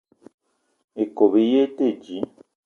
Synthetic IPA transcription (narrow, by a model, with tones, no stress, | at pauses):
e˨ko˨βe˨je˦te˦˨d͡ʒi˨˦